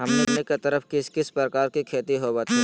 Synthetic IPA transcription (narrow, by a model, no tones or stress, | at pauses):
ɦɐmnemeket̪əɾəfkɪskɪspɾəkaːɾkikʰeːt̪iɦoːbaːt̪i